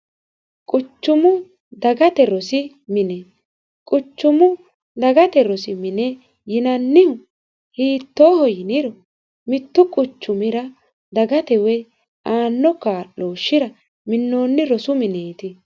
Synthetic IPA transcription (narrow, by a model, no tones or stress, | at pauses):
kʼʊt͡ʃːʊmʊ | d̪ɐɡɐt̪ɛɾɔsɪ | mɪnɛ | kʼʊt͡ʃːʊmʊ | d̪ɐɡɐt̪ɛɾɔsɪmɪnɛ | jɪnɐnːɪhʊ | hiːt̪ːoːhɔjɪnɪɾɔ | mɪt̪ːʊkʼʊt͡ʃːʊmɪɾɐ | d̪ɐɡɐt̪ɛwɛ | aːnːɔkːaːʔoːʃːɪɾɐ | mɪnːoːnːɪɾɔsʊmɪneːt̪ɪ